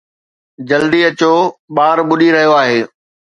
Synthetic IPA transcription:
d͡ʑɐld̪iɐt͡ɕoɓaːɾɓʊɗiɾɐɦijoaːɦeː

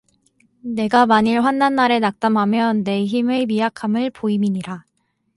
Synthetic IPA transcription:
ne̞ɡamaɲiɭɸwanːanːaɾe̞nak̚t͈amɦamjʌnːe̞çimɯmiakʰamɯɭpoimiɲiɾa

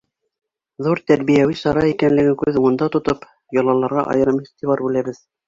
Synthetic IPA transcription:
ðuɾt̪æɾβijæwisɑɾɑikænlɘ̆ɡɘkʉðuɤ̆nd̪ɑt̪ŏt̪ɤp | jɑ̆lˠɑlˠɑɾʁɑ̰ʔɑ̰jɤ̆ɾɤmiθt̪iβɑɾbʉlæβɘð

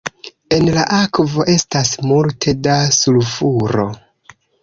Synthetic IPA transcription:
e̞nlaʔakvo̞ʔe̞stasmultʰe̞dasulfuɾo̞̰

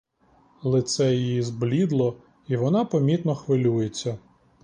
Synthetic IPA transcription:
lˠɪt̪sɛjjizblʲid̪lˠɔ | iʋɔnɑpɔmʲit̪nɔxʋɪlʲujet͡sʲːɐ

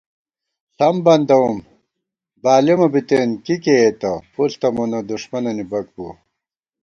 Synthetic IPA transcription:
sɐmbɐnd̪ɐwum | baːlemɐbit̪eːnkikeːt̪ɐpult̪ɐmunɐd̪uʂmɐnɐnibɐk̚bṵ

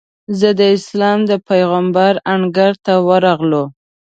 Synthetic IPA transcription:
zəd̪əɪslɑmd̪əpajɣambaɾaɳɡaɾt̪awəɾɑɣlo

